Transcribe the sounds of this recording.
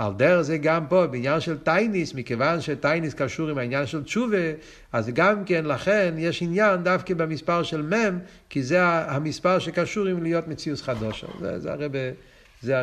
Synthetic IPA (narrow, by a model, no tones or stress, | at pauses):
a̰ld̪ɛʁzeɡampobeinjanʃɛltajnismikevanʃɛtajniskaʃuʁimainjanʃɛlt͡ʃuve | azɡamkɛnlaχɛnjeʃinjand̪afkebamispaʁʃɛlmɛm | kizeaamispaʁʃekaʃuʁimlijotmet͡siusχadoʃa̰zɛ̰zɛ̰a̰ʁɛbe | zea